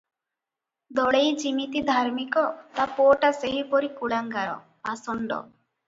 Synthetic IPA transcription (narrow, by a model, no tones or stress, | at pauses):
d̪ɔɭejd͡ʒimit̪id̪ʱaɾmikɔt̪apoʈaseɦipɔɾikuɭaŋɡaɾɔ̰ | pasɔɳɖɔ̰